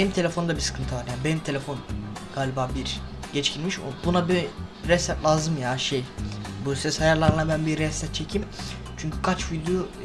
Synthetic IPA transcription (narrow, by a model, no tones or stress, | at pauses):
enimt̪ʰe̞lʲefo̞nd̪abisɯ̥kʰɯnt̪ʰɯvaɾjaːnibenimt̪ʰe̞lʲe̞fo̞nɡ̥aːlʲibaːbiɾɟ̥ɛt͡ʃcʰinʲmiʃo̰bunabiɾɛst̪ɛt̪lʲˠaːzɯmjaːʃejbusɛshajaɾlˠaɾɯnabænbiɾɛst̪ɛt̪̚t͡ʃʰecʰim | t͡ʃʰyɲcʰykʰat͡ʃvid̪ʲjuo